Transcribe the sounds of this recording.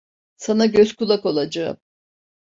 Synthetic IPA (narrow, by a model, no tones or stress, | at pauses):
sanaɟøz̥kulˠako̞lˠad͡ʒa̰m